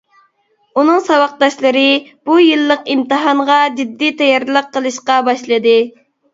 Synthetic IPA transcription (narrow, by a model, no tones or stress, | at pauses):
unɨŋsɑwɑq̚d̪ɑʃlˠɨɾɨb̥ujɨlˠːəqimt̪ɨɦɑɴʁɑd͡ʒid̪ːit̪ʰɛjɑɾlˠəqʰːəlˠɨʃqɑbɑʃlˠɨd̪ɨ